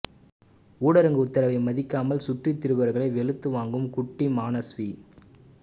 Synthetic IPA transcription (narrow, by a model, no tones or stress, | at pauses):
uːɽɐɾɐŋɡɯʊt̪ːɐɾɐʋɐɪmɐðɪkːaːmɐlsʊʈrit̪ːɪɾɯbɐɾɣɐɭɐɪʋɛɭɯt̪ːɯʋaːŋɡɯmkʊʈːimaːnɐsʋi